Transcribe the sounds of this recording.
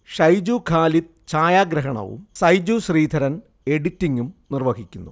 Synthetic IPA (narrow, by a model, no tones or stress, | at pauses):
ʂɐjd͡ʑukʰaːlit̪̚t͡ɕaːjaːɡɾɐɦɐɳɐ̰ʋṵmsɐjd͡ʑuɕriːd̪ʱɐɾɐn | e̞ɽitːiŋɡumnirʋɐɡʱikʲːunːu